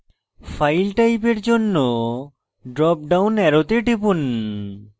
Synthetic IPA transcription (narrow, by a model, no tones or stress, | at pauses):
fʰajlʈajpeɾd͡ʑonːo | ɖɾɔp̚ɖawnɛɾot̪eɖebun